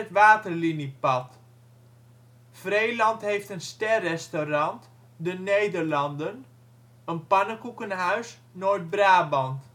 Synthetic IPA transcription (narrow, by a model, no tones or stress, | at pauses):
ətʋaːtərlinipɑt | frejlɑntɦejftənstɛrɛstorɑnt | dənejdərlɑndən | ənpɑnəkukənɦœɥs | noːɹt̚braːbɑnt